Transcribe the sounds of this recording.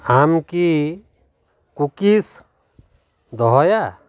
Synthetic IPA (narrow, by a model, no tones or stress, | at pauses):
amki | kukis | d̪ɔɦɔja